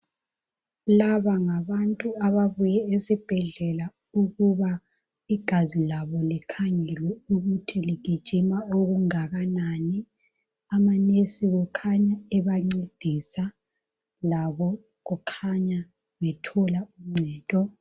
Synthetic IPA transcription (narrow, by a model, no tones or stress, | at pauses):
laβaŋaβantʼuaβaβujɛesib̥ʱɛɮɛla | uɣuβa | iɡ̥ʱazilaβɔlɛkʰaŋɛlwɛuɣutʰiliɣʱid̥ʒ̥ʱimaoɣuŋaɣanani | amanesiɣɔkʰaɲaɛβaŋ͡ǀed̥ʱisa | laβɔ | ɣukʰaɲa | βɛtʰɔlaum̩ŋ͡ǀʱɛːtʼɔ